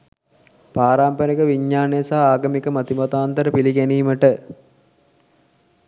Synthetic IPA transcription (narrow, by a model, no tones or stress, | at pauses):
paːɾaːmpənikəʋiɲːaːnejəsaɦaːɡəmikəmɐt̪imɐt̪aːnt̪əɾəpiliɡæniːməʈə